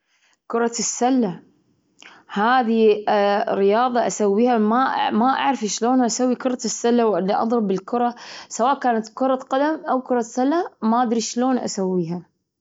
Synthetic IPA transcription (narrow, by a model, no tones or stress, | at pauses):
kʊɾˤɑsːalːa | haːði | ɾɪjɑːðˤɑʔasawːiːhamamaʔa̰ʕɾfiʃloːnʔasawːikʊɾˤɑsːalːawʔɪlːiʔɑ̰d̪ˤɾɨbɪlkʊɾˤɑsawaːʔkaːnat̪kʊɾˤɑqad̪amʔawkʊɾˤɑsalːamaʔad̪ɾiʃloːnʔa̰sawːiːɦa